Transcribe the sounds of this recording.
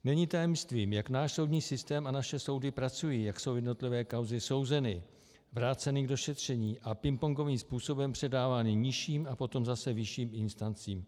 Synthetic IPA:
nɛɲiːt̪ajɛmst̪viːmjaknaːʃso̞wdɲiːsɪst̪ɛːmanaʃɛso̞wdɪpɾat͡sujiːjakso̞wjɛdno̞t̪lɪvɛːkawzɪso̞wzɛnɪ | vɾaːt͡sɛnɪɡdo̞ʃɛt̪r̝̥ɛɲiːʔapɪmpoŋɡo̞viːmspuːso̞bɛmpr̥ɛdaːvaːnɪɲɪʃiːmapo̞t̪o̞mzasɛvɪʃiːmɪnst̪ant͡siːm

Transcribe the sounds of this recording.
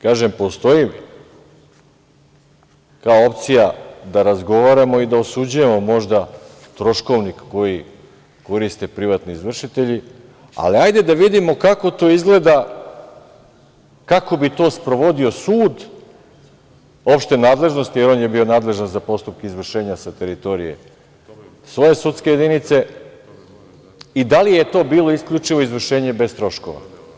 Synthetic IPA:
kaːʒe̞mpo̞st̪o̞imi | kaoo̞pt̪sijad̪aɾazɡo̞ʋaɾamo̞id̪aosud͡ʑuje̞mo̞mo̞ʒd̪a | t̪ɾo̞ʃko̞ʋnikːo̞ji | ko̞ɾist̪e̞pɾiʋat̪niizʋr̩ʃit̪e̞ʎi | a̰liajd̪e̞d̪aʋid̪imo̞kako̞t̪o̞ːizɡle̞ːd̪a | kako̞bit̪o̞ːspɾo̞ʋo̞d̪io̞suːd̪ | o̞pʃt̪e̞naːd̪le̞ʒnost̪ijeɾo̞ːnje̞bio̞naːd̪le̞ʒanzapo̞st̪up̚keizʋr̩ʃe̞ːɲasat̪e̞ɾit̪o̞ɾḭjḛ | sʋo̞je̞sut̪ske̞jed̪init̪se̞ | id̪alijet̪o̞ːbiːlˠo̞iskʎut͡ʃiʋo̞izʋr̩ʃe̞ːɲe̞be̞st̪ɾo̞ʃkoʋa̰

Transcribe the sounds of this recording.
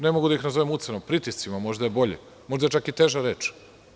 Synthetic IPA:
nemo̞ɡud̪aixnazoʋemut̪senopɾit̪ist̪simamo̞ʒd̪ajebo̞ʎe | mo̞ʒd̪aet͡ʃakit̪e̞ːʒaɾeːt͡ʃ

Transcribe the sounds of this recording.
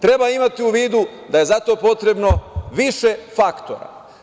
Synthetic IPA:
t̪ɾe̞baimat̪iuʋiːd̪ud̪aje̞zat̪o̞ːpo̞t̪ɾe̞bno̞ʋiʃefakt̪o̞̰ɾa̰

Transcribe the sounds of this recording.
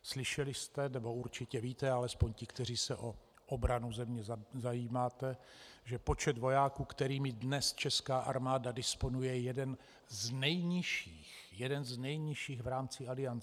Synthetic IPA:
slɪʃɛlɪst̪ɛnɛbo̞uɾt͡ʃɪcɛviːt̪ɛalɛspo̞ɲcɪkt̪ɛr̝iːsɛʔo | ʔobɾanuzɛmɲɛzzajiːmaːt̪ɛʒɛpo̞t͡ʃɛd̪vo̞jaːkuːkt̪ɛɾiːmɪdnɛst͡ʃɛskaːʔaɾmaːdadɪspo̞nujɛjɛdɛn | znɛjɲɪʃiːxjɛdɛnznɛjɲɪʃiːxɣvɾaːmt͡sɪalɪant͡sɛ

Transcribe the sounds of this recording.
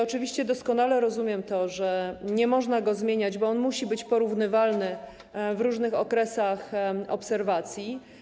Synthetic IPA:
ɔt͡ʂɘvʲiɕt͡ɕɛd̪ɔskɔn̪alɛɾɔzumʲjɛmt̪ɔʐɛɲɛmɔʐnaɡɔzmʲjeɲad͡ʑbɔɔnmuɕibɘt͡ɕpɔɾuvnɘvalnɘ | vɾuʐnɘxɔkɾɛsaxɔ̰psɛɾvat̪sʲji

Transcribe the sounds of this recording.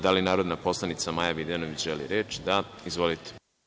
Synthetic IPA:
d̪alinaːɾo̞d̪napo̞slˠanit̪samajabid̪enoʋit͡ɕʒelḭɾet͡ʃid̪aizʋo̞lit̪e̥

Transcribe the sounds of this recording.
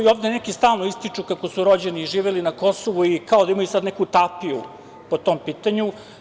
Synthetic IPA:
ioːvd̪enekist̪aːlˠnoist̪it͡ʂukakosuɾo̞d͡ʑeniːʒiːʋelinako̞soʋuikao̞d̪aimajusad̪nekut̪apiṵ | po̞t̪ompiːt̪aɲu

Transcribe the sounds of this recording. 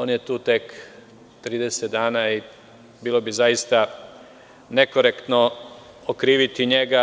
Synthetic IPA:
o̞ːnjet̪uːt̪e̞k | t̪ɾiːd̪e̞set̪̚d̪aːnai | biːlo̞bizajist̪a | ne̞koɾekt̪no | okɾiːʋit̪iɲeɡa

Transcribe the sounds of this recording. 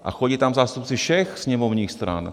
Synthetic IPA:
ʔa̰xɔɟiːt̪amzaːst̪up̚t͡siʃɛxsɲɛmɔʊɲiːxst̪ɾa̰n

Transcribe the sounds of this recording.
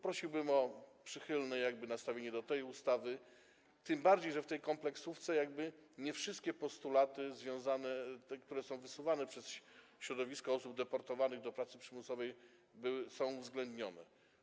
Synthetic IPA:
pɾɔɕiwbɘmɔpʂɘxɘlnɛjaɡ̚bɘnast̪avʲeɲɛd̪ɔt̪ɛjust̪avɘ | t̪ɘmbaɾd͡ʑejʐɛft̪ɛjkɔmplɛksuft̪sɛjaɡ̚bɘɲɛfʂɘst̪̚kʲɛpɔst̪ulat̪ɘzvʲjɔ̃w̃zanɛɛkt̪uɾɛsɔ̃w̃vɘsuvanɛpʂɛsɕɕɾɔd̪ɔvʲiskɔɔsubd̪ɛpɔɾt̪ɔvanɘɣd̪ɔpɾat̪sɘpʂɘmusɔvɛj | bɘwɘsɔ̃w̃uvzɡlɛnd̪ɲɔnɛ̰

